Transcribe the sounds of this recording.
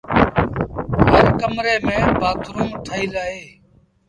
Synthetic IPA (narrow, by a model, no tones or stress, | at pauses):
ɦəɾkəmɾeːmẽːbaːt̪ɾũːʈʰaːiːlaːeː